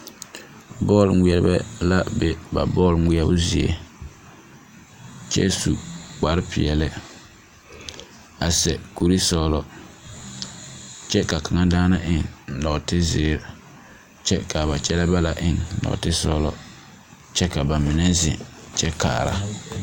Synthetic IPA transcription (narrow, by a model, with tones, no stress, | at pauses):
bɔː˦˨lŋi˨ɛ˨ɾbɛ̰˦la˦bɛ˨ba̰˨bɔː˦˨lŋi˦ɛ˦bʊ˦zi˨ḛ˨ | t͡ʃɛ̰˦su˨k͡pa˨ɾpɪ̰˨ɛ˨lɪ˦ | a˨sɛ˨ku˨ɾi˦sɔ˦lɔ˦ | t͡ʃɛ˦ka˨ka˨ŋa˦daː˦na˦ʔɪ˦ŋ˨lɔ˨ʔtɪ˦zɪː˨ɾ | t͡ʃɛ˦ka˨ba˨t͡ʃɛ˦lɛ˦ba˦la˨ʔɪ˦ŋlɔ̰˨tɪ˦sɔː˦lɔ̰˦ | t͡ʃɛ˦ka˨ba˨mɪ˨nɛ˦zɪ̰˨t͡ʃɛ˦ka̰ː˨ɾa̰˦